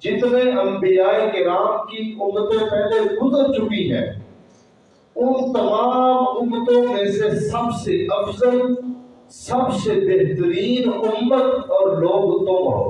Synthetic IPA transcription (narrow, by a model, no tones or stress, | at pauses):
d͡ʒɪt̪nẽʔəmbijaːikɪɾaːmkiʔʊmːət̪ẽpɛɦled̪ʊd̪t͡ʃʊɽiːɦɛ̰̃ː | ʊnt̪əlaːmʊmət̪õːmẽsesəbseʔəfzəl | səbsebeɦt̪əɾiːnʊmːət̪ɔːɾloːɡʊt̪õːa̰ː